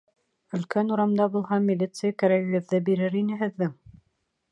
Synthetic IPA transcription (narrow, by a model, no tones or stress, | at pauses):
ɵ̆lkænuɾɑmd̪ɑbulˠɦɑmʲilʲit̪sɨjakæɾæɘ̆ɡɘ̆ððɘbiɾɘɾinɘ̆ɦɘ̆ðːɘŋ